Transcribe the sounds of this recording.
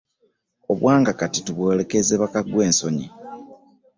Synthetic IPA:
o̞βwaːŋɡakatituβwo̞ːle̞kezeβakaɡwe̞ːnso̞ɲi

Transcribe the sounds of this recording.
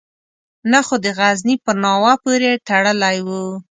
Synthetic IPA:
naxod̪əɣaznipəɾnɑwapoɾet̪aɽəlajwu

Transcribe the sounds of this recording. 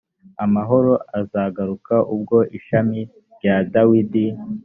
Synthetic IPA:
amaɦo̞ɾo̞ʔazaɡaɾukaʔubɡo̞ʔiʃami | ɾɟadawidi

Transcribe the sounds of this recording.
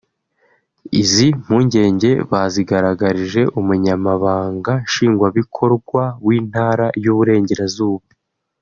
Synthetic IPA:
izim̥huːɲɟe̞ːɲɟe̞βaziɡaɾaɡaɾiʒe̞ʔumuɲamaβaːŋɡaʃiːŋɡwaβikʰo̞ɾɡwaβwiːn̥haːɾajuβuɾe̞ːɲɟe̞ɾazuːβu

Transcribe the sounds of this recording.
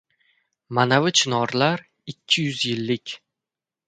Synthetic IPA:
manavɪt͡ʃʰɪnɒɾlaɾ | ɪkʲʰːɪjʊzjɪlːɪkʲ

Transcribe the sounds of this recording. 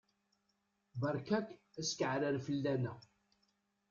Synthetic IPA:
bəɾˤkækːæskʕɾəɾfəlːænæ

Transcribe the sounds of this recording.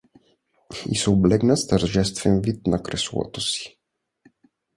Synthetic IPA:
ḭsɔwblɛɡnast̪aɾʒɛst̪fɛmvit̪̚nakɾɛswɔ̰t̪ɔsi̥

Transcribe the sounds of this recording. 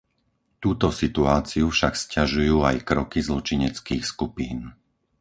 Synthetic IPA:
t̪uːt̪ɔsit̪uaːt͡siufʃakscaʒujuːa̰jkɾɔkizlɔt͡ʃiɲɛt͡skiːxskupiːn

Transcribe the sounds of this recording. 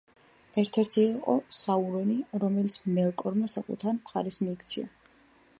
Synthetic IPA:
ɛɾt̪ʰɛɾt̪ʰiːqʼɔsauɾɔniɾɔmɛlit̪sʰmɛlˠkʼɔɾmasakʼṵt̪ʰaɾmχaɾɛsmiːkʰt̪sʰḭa̰

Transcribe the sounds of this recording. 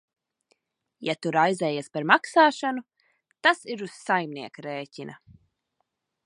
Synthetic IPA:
jat̪uɾajzɛːjaspaɾmaksaːʃanu | t̪asiɾuz̥sajmniɛkaɾeːcinɐ̰

